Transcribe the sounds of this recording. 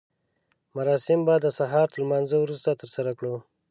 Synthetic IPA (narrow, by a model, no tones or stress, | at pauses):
maɾɑsɪmbɑd̪əsaɦɑɾt̪əlmɑnzəwɾust̪at̪əɾsaɾakɽo